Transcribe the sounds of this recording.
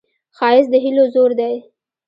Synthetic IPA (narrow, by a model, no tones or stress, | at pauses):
xɑɪsd̪əɦilozoɾd̪aj